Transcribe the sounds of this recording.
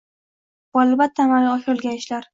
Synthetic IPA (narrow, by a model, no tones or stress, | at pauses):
b̥ɒlɪbat̪ʰːamalɒʃolˠɡʲanɪʃlaɾ